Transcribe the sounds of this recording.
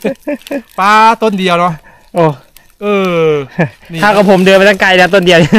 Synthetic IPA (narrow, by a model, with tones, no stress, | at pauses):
paː˧˥t̪o˧ndi˧əwnɔ˦˥ | ʔoː˧˩ | ʔɤː˧ | aː˥˩ka˨˩pʰo˩˦mdɯː˧ma˧t̪a˥˩ŋka˧jnaː˦˥t̪̬o˧ndi˧əw